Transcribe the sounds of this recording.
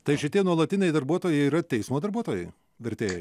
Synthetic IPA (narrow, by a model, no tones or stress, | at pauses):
t̪ɐɪʃʲɪt̪ʲiɛnuɔlˠɐt̪ʲɪnʲɛɪd̪ɐɾbuɔt̪oːjɛɪiːɾɐt̪ʲɛɪsmoːd̪ɐɾbuɔt̪oːjɛɪ | ʋʲɛɾʲt̪ʲeːjɛɪ